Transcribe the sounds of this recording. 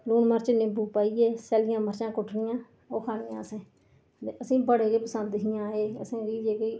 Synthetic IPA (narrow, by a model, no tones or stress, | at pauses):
luːnməɾt͡ʃnẽːbuːpaːiːeːsɛːlɪjãːməɾt͡ʃãːkʊʈʰɳɪjãː | oːkʰaːnɪjã̰ːəsẽː | eəsĩːbəɽeːkeːpəsə̃nd̪ɪɦɪjãːeːəsĩːɾiːd͡ʒeːkeiː